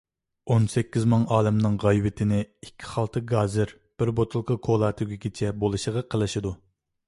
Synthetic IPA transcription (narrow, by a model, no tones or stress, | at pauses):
onsɛkʲːizmɑŋɑːlɪmnɨŋʁɑjwɪt̪ʰɪnɪikʲʰːi̥χɑlˠt̪ʰɨɡɑːzɪɾ | b̥ɪɾbot̪ʰʊlˠkʰəkʰolˠɑːt̪ʰɪɡʲiɡʲit͡ʃʰɛbolˠɨʃəʁɑqʰəlˠɨʃid̪u